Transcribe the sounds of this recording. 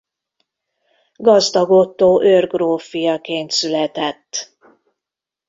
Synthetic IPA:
ɡɒzd̪ɒɡo̞t̪ːoːʔørɡroːfijɒkeːnt̪sylɛt̪ɛt̪ː

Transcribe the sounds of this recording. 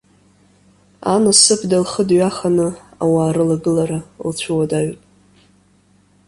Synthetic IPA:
a̰nasɨpʰdalχədɥaχanɨawaːɾɨlaɡɨlaɾalt͡ɕʷʰuwadaɥpʼ

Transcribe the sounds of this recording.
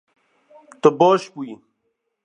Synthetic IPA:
t̪oboːɕpui

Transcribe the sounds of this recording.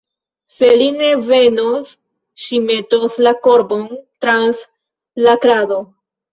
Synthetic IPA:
se̞line̞ve̞nos | ʃime̞toslako̞ɾbo̞ntɾans | lakɾado

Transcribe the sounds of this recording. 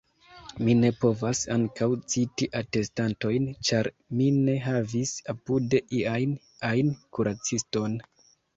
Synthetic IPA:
mine̞po̞vasaŋkawt͡sitiʔate̞stanto̞jnt͡ʃaɾ | mine̞ɦavisapude̞ʔiajn | ajnkuɾat͡sisto̞n

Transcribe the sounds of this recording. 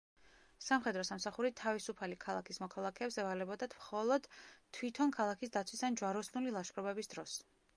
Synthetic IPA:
samχɛd̪ɾɔsamsaχuɾit̪ʰavisupʰalikʰalˠa̰kʰismɔkʰalˠakʰɛːbsɛvalɛbɔd̪at̪ʰmχɔlˠɔd̪̥t̪ʰːwit̪ʰɔnkʰalˠakʰisd̪at̪sʰwisand͡ʒwaɾɔsnulilˠaʃkɾɔbɛbisd̪ɾɔs

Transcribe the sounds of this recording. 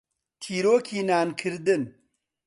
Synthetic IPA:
t̪ʰiːɾoːkʰiːnaːnkʰɨɾd̪ɨn

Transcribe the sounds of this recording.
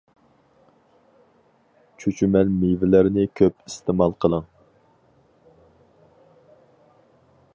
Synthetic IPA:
t͡ʃʰyt͡ʃʰymɛlmivɪlɪɾnɪkʲʰøpist̪ʰɪmɑlˠqʰəlˠəŋ

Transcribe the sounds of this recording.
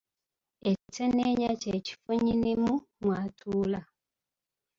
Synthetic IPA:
et͡ʃitɛneɲat͡ʃet͡ʃi̥foɲinimumwatʰuːla

